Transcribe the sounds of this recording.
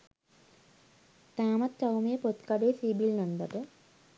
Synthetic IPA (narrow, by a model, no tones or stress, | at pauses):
t̪aːmɐt̪̚t͡ʃɐwmeːpot̪kaɖeːsibilnɐnd̪ɐʈə